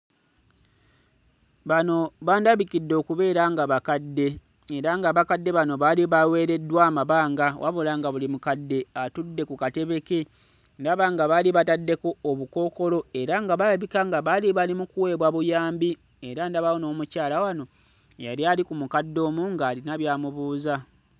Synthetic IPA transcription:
βano̞βaːndaβikidːo̞ːkuβe̞ːɾaŋɡaβakadːe̞ | eɾaŋɡaβakadːe̞βano̞βaliβawe̞ːɾe̞dːwaːmaβaːŋɡawʔa̰βolaŋɡaβulimukadːe̞atudːe̞kukate̞βe̞ke̞ | ndaβaŋɡaβaliβatadːe̞kooβuko̞ːko̞lo̞e̞ɾaŋɡaβaaβikaŋɡaβaliβalimukuwe̞ːβwaβujaːmbi | e̞ɾandaβawono̞ːmucaːlawano̞ | ja̰ljalikumukadːo̞ːmuŋɡaːlinaβjaːmuβuːza

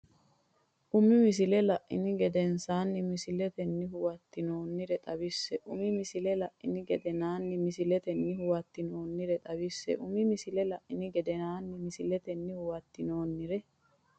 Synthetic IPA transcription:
ʔʊmɪmɪs̬ɪlɛlɐʔʔɪ̰nɪɡɛd̪ɛnsaːnːɪmɪsɪlɛt̪ɛnːɪhʊwɐt̪ːɪno̞ːnːɪɾɛt̪ʼɐbɪsːɛʔʊmɪmɪsɪlɛlɐʔɪnɪɡɛd̪ɛnaːnːɪmɪsɪlɛt̪ɛnːɪhʊwɐt̪ːɪno̞ːnːɪɾɛt̪ʼɐbɪsːɛ̰ʔʊmɪmɪsɪlɛlɐʔʔɪnɪɡɛd̪ɛnaːnːɪmɪsɪlɛt̪ɛnːɪhʊwɐt̪ːɪno̞ːnːɪɾɛ

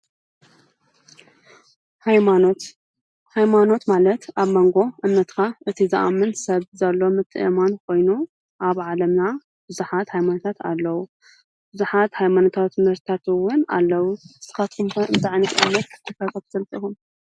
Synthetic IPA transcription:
hajmano̞t̪ | hajmano̞t̪malɐt̪aβmoŋɡo̞ʔɨnːɐt̪kʰaʔɨt̪ʰizɨʔa̰mːɨnsɐβzɐlːo̞mɨt̪ʰʼːɨ̰ʔḛmankʰo̞jnu | ʔaβʕalɐmna | b̥ɨzuħat̪hajmanot̪ʰat̪a̰lːɐwu | b̥ɨzuħat̪hajmano̞t̪ʰawt̪ːmhɨɾt̪ʰt̪ʰat̪wʊna̰lːɐwust̪ʰɨ̥kat̪umɨt̪aʕajnɐt̪ʔɨ̰mːɐt̪t̪ʰɨkːat̪ʰat̪tʰɐlt̪ʼixum

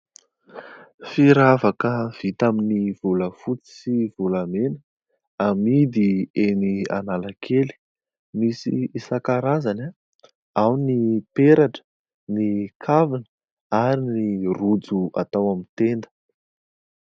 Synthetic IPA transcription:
fiɾavakəv̥it̪aminiv̥uləfut͡si̥sivulamenə̥ | amid̪ienianalakʰeli̥ | misiisakaɾazana | awnipeɾaʈ͡ʂə̥ | nikʰavinə | aɾinirud͡zua̰t̪awamint̪end̪ə̥

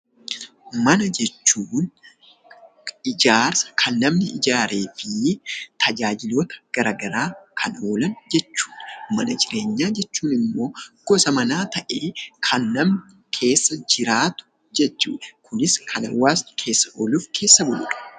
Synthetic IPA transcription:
mɐnɐd͡ʒɛt͡ʃːuːn | ɪd͡ʒaːɾsɐ̥kʰɐnːɐmnɪʔɪd͡ʒaːɾe̞ːfɪt̪ʰɐd͡ʒaːd͡ʒɪloːt̪ɐ̥ɡ̥ɐɾaːɡɐɾaːkʰɐno̞ːlɐnd͡ʒɛt͡ʃːu̥ːᶑmɐnɐd͡ʒɪɾe̞ːɲːaːd͡ʒɛt͡ʃːuːnɪmːo̞ːɡ̥ɔsɐmɐnaːt̪ɐʔe̞ːkʰɐnːɐmnɪ | kʰe̞ːsːɐd͡ʒɪɾaːt̪ʊ̥ | d͡ʒɛt͡ʃːṵːᶑkʊnɪskʰɐnɐ̰waːsɪ̥kʰe̞ːsːɐʔoːluːfkʰe̞ːsːɐbʊlʊ̰ᶑɐ̥

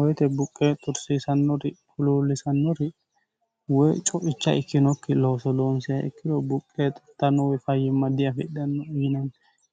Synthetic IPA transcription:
ɔjt̪ɛbʊkʼːeːt̪ʼʊɾsiːsɐnːɔɾɪpʊluːlːɪsɐnːɔɾɪ | wɔjt͡ʃʼɔʔɪt͡ʃːɐʔɪkːɪnɔkːɪloːsɔloːnsɪjɐʔɪ̰kːɪd̪ɔbʊkʼːeːt̪ʼt̪ːɐnɔwɛfɐjɪmɐd̪ɪjɐfɪᶑɐnːɔɪɪnɐn

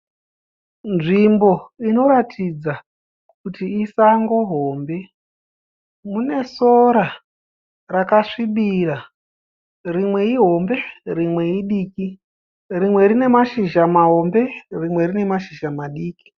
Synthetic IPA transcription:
nʐimbo̞ino̞ɾatʰid͡za | kutiːsaŋɡo̞ɦo̞ːmbe̞ | mune̞soɾa | rakaʂiɓiɾa | rimwe̞iɦo̞mbe̞rimwe̞iɗiːki | rimwe̞rine̞maʃiʒamaɦo̞mbe̞rimwe̞rine̞maʃiʒamaɗiːki̥

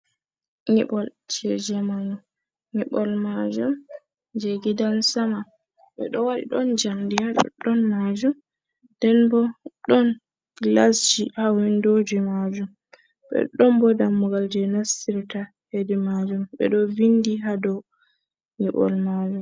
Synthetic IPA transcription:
ŋiɓɔlt͡ʃɛd͡ʒɛmanu | ŋiɓɔlmad͡ʒum | d͡ʒeɡidansama | ɓɛ̰ɗɔwaɗḭɗɔnd͡ʒamdihaɗɔ̰ɗɔnmad͡ʒum | d̥ɛnbɔɗɔn | ɡlasd͡ʒihawindod͡ʒimad͡ʒum | ɓɛ̰ɗɔmbɔdamːuɡald͡ʒɛnasiɾta | hedimad͡ʒumɓɛ̰ɗɔvindiɦadɔ | ŋiɓɔ̰lmad͡ʒum

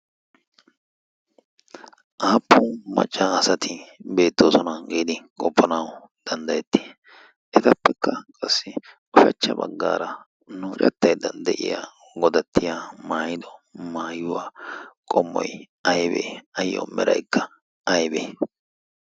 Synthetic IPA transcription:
ʔaːpʰːʊmɐ̰t͡ʃʼːaːsɐt̪ʰɪbe̞ːt̪ːoːsɔnɐɡiːd̪ɪkʼɔpːɐnaw | d̪̥ɐnd̪ɐjɛt̪ːɪ̥ | ʔɛt̪ɐpːɛkːɐkʼɐsːɪ | ɔfɐt͡ʃːɐ̰bɐ̰ɡːa̰ːɾɐ | noːt͡ʃʼɐt̪ːɐjd̪ɐnd̪ɛʔɪ̰ja̰ | ɡɔd̪ɐt̪ːɪjamaːjɪd̪ɔmaːjʊwaːkʼɔmːɔ̰j | ɐjbḛːɐjːo̰mɛɾɐ̰jkʰːɐ̥ | ɐjbeː

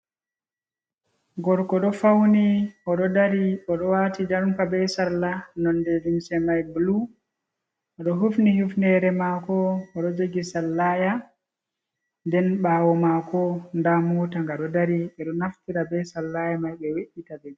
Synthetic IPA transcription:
ɡɔɾkɔɗɔfawniɔɗɔdaɾiɔɗɔwatid͡ʒanumkabɛsalːanɔnded͡ʒumsɛmajblu | ɔɗɔɦufnihufnɛɾɛmakɔːɗɔd͡ʒeɡisalːaja | ndɛnɓawɔmakɔndamutaŋɡaɗɔdaɾiɓɛɗɔnaftiɾabɛsalːajamajɓɛweʔitabɛ

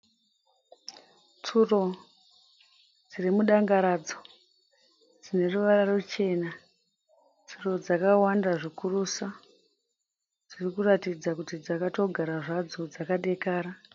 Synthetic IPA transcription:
t͡suro̞ | d͡zirimuɗaŋɡaɾad͡zo̞ | d͡zine̞ruʋararot͡ʃe̞na | t͡suro̞d͡zakawandaʐikurusa | d͡zirikuratid͡zakutid͡zakato̞ɡʱaɾaʐad͡zod͡zakaɗe̞kaːɾa

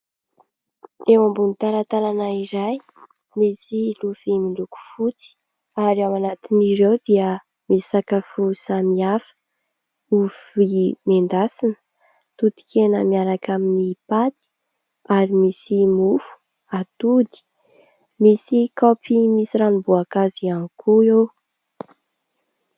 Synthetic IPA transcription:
ewambunit̪alat̪alanaiɾaj | misilufimiluku̥fut͡si̥ | aɾiamanat̪inirewd̪iə | misakafusamiafə̥ | ufimend̪asinə̥ | t̪ut̪i̥kenə̰miaɾakaminipat̪i̥ | aɾimisimufu̥ | at̪ud̪i̥ | misikapimisiɾanibuakazianikʰuew

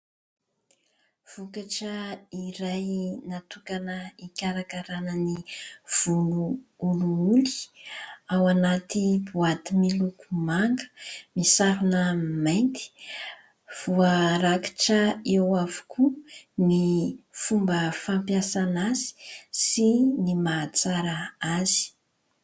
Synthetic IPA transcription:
v̥ukaʈ͡ʂəiɾajnat̪ukanəikʲaɾakaɾanəniv̥uluuluuli̥ | awanat̪ibuat̪imilukumaŋɡə̥misaɾunəmejnt̪i̥ | v̥uəɾaki̥ʈ͡ʂəewavu̥kʰunifumbəfampjasanazi̥sinimat͡saɾaaz̥i̥

